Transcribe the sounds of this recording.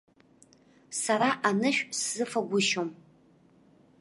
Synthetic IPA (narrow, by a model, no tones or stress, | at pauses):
saɾaʔanɨʃᶣszɨfaɡʷʊʃom